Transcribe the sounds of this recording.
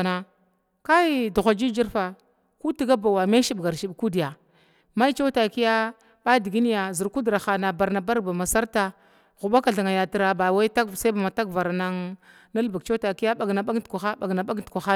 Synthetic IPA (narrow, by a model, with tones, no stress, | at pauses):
na˨ | ka˦du˨xʷa˨d͡ʒi˦d͡ʒi˦ɾfa˨ | ku˦ti˦ɡa˦ba˨wa˨me˦ʃi˦bɡa˨ɾʃi˨ɓku˦di˨ja˨ | ma˦t͡ʃa˦ta˨ki˦ja˦ | ɓa˦di˨ɡi˦ni˦ja˨zi˨ɾku˦dɾa˨xa˨na˨ba˨ɾna˨ba˦ɾba˨ma˨sa˦ɾta˨ | ɣu˨ba˦ka˨ɮa˨ŋa˨ja˨ti˦ɾa˨ba˨wa˦i˦ta˦ksa˦ba˨ma˨ta˦kva˨ɾa˨na˦ŋ | na˦lba˨ɡ̚t͡ʃa˦ta˨ki˦ja˦ɓa˨ɡna˨ɓa˦ɡkʷa˨xa˦ɓa˨ɡna˨ɓa˦ɡtkʷa˨xa˦